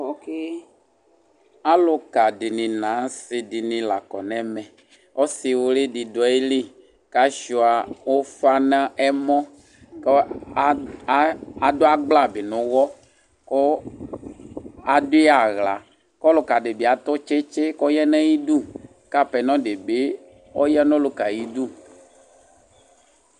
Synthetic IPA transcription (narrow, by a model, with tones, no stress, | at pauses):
ɔ˨ke˦ | a˦lo˨ka˨di˨nĩ˨nã˨˦se˨di˨nĩ˨la˨kɔ˨nɛ̃˦mɛ̃˨ | wɔ˦si˨wo˨le˦di˨dɔ˨e˦li˦ | ka˦ʃu˨a˨wo˦fa˦nã˦ʔɛ˦mɔ̃˦ | k | a˨d̪o˦a˦ɡ͡bla˦be˨nũ˨wɔ˦ | kɔ˦ | a˨do˦ɛ˦a˨ɣla˨ | kɔ˦lo˨ka˨ɖe˨be˨a˨t̪ɔ˦t͡ʃe˦t͡ʃe˦kɔ˦jɛ˦nã˦ji˦du˦ | ka˦pɛ˨nɔ̃˦ɖe˨be˦ | ɔ̰˦jɛ˦nɔ̃˦lo˦ka˨ji˦du˦